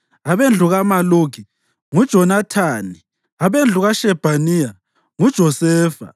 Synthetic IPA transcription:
aβend͡ɮʱuɣamaloɡʱi | ŋud̥ʒ̥ʱɔnatʰaːni | aβend͡ɮʱuɣaʃɛb̥ʱanija | ŋud̥ʒ̥ʱɔsɛːfa̰

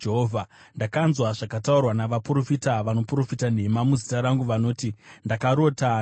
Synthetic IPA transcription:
d͡ʒeɦoːvʱandakanzwaʐakataurwanaʋapuro̞fitaʋano̞pro̞fitane̞mamuzitaɾaŋɡuʋano̞ːtindakaɾo̞ta

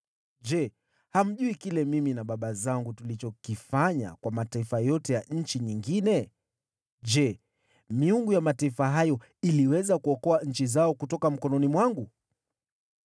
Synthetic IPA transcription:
ʄɛ | ham̩ʄuikilɛmiminaɓaɓazaŋɡutulit͡ʃɔkifaɲa̰kwamataifajɔtɛjaɲ̩t͡ʃiɲiŋɡinɛ | ʄɛ | miuŋɡujamataifaɦajɔ | iliwɛzakuɔkɔaɲ̩t͡ʃizaɔkutɔkam̩kɔnɔnimwaŋɡu

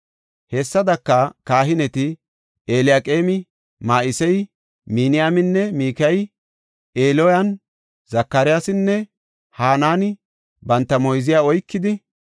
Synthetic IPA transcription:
hɛsːɐd̪ɐkːɐkaːɦɪnɛt̪ɪ | eːlɪjaːkʼeːmɪ | maːʔɪsɛj | minɪjaːmɪnːɛmiːkɐj | eːlɔjɐn | zɐkːɐɾɪjasɪnːɛ | haːnaːnɪ | bɐnt̪ːɐmɔjzɪjaːɔjkːɪd̪ɪ

